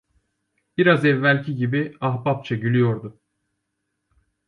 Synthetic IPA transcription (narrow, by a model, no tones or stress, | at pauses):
b̥iɾazɛvːælʲcʰiɟibiaɦbap̚t͡ʃʰaɟylʲyjo̞ɾd̪ʊ